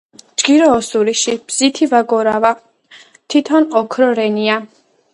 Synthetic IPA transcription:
d͡ʒɡ̥iɾɔːsuɾiʃib̥z̥it̪ʰivaɡɔɾava | t̪ʰit̪ʰɔnɔkʰɾɔɾɛnia

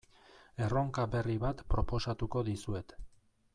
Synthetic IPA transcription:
e̞ro̞ŋkaβe̞riβat̪pɾo̞po̞sat̪uko̞ðisue̞t̪

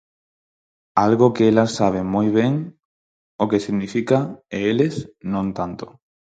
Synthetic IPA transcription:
alɣʊkeelasːaβ̞emojβ̞eŋ | okesiɣnifikaeelesnõnt̪ant̪ʊ̥

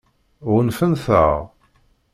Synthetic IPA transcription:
ʊʁnfənθə̰ʁ

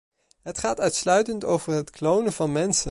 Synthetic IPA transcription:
ɦətχaːtœɥtslœɥtəntowvəɹɦətklownəvɑnmɛnsə

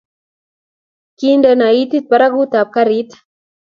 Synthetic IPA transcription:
kindənait̪it̪̚paɾaɣut̪ap̚kaɾit̪ḁ

